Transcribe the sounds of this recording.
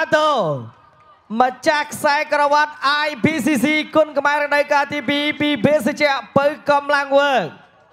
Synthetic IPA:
at̪oː | mət͡ɕahkʰsaɛkrɔʋat̪̚ʔajpiːsiːsiːkʊənkmaɛɾəkɗəwkaːt̪iːpiːpiːbeːsət͡ɕɛ̆əʔpəwkɑmlaŋʋəːk̚

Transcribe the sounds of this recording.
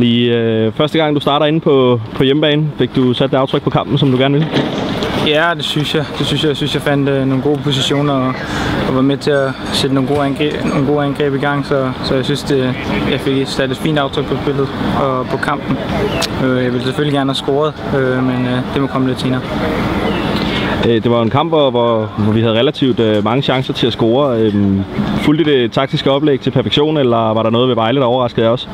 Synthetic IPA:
liøfɶɐsd̥əɡɑ̈ŋ̰d̥usd̥ɑ̈ːɾɐe̝n̩pʰɒ̽pʰɒ̽jemb̥ɛːn̩fe̝ɡ̥̚d̥usæd̥̚deɑʊt͡sʰʁɡ̥̚pʰɒ̽kʰɑ̈m̰b̥n̩s̬ɒ̽md̥uɡ̥æɐnʋe̝l | jæd̥e̝synsjɑ̈ɪd̥e̝synsjɑɪsynsjɑ̈ɪfæn̰d̥no̝ːnɡo̝ːpʰo̝s̬iɕo̝̰ːnɐɒ̽ː | ʋɑ̈met͡sʰe̝æ | sed̥əno̝ːɡo̝noːn̩ɡo̝̰ːænɡ̥ʁɛ̰ːb̥iɡ̥ɑ̈ŋ̰sɒsɒ̽jɑ̈ɪsynsd̥ejɑ̈ɪfe̝ɡ̥ed̥sd̥æɐdˠid̥fḭːnd̥ɑʊt͡sʰʁœɡ̥̚pʰɒ̽sb̥e̝l̰ð̞̩ˠɒ̽pʰɒ̽kʰɑ̈m̰b̥n̩øjɑɪʋe̝lseføliɡ̥æɐnəhæsɡ̥oːɐð̞ˠømend̥e̝mɒkʰɒ̽məle̝d̥se̝ːnɐː | d̥e̝ʋɑ̈e̝nkʰɑ̈m̰b̥ʋɒʋɒʋɒʋiɦæð̞̩ˠʁɛlæt͡sʰiʊd̥ømɑ̈ŋəɕɑ̈ŋsɐt͡sʰe̝læsɡ̥oːɐømfuld̥id̥e̝t͡sʰɑ̈ɡ̥̚d̥isɡ̥əɒ̽b̥leɡ̥̚t͡sʰe̝lpʰæɐfeɡ̥ɕo̝̰ːnelɐʋɑ̈ɾɑ̈nɔ̽ːð̞̩ˠʋe̝ʋɑ̈ɪləd̥ɑɒʊɐʁɑ̈sɡ̥ð̩ˠjɑ̈ɒ̽s

